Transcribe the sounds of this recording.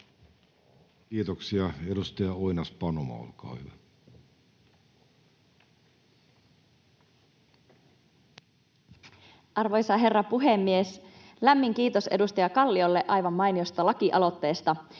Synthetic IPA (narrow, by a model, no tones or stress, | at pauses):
kiːt̪oksiɑedust̪ɑjɑoinɑspɑnomɑ̰o̰lkɑ̰ːhyʋæ | ʔɑrʋo̞jsɑɦe̞rːɑpuɦe̞mːies | læmːiŋk̟iːt̪o̞se̞̰dust̪ɑjɑkɑlːio̞lːe̞ʔɑjʋɑmːɑjniost̪ɑlɑkiʔɑlo̞t̪ːe̞ːst̪ɑ